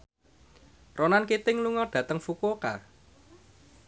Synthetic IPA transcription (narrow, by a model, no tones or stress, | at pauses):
ronankit̪ɪŋluŋɔɖ̪̥ä̤t̪əŋfukoka̰